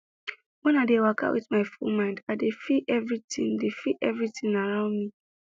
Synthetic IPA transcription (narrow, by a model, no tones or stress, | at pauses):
wɛ̃naɪdewakʰa̰wʔḭtmaɪfṵlmãɪ̃ndadefiʔɛvɹitḭ̃ŋdefiʔɛvɹitĩŋaɹãʊ̃ndmi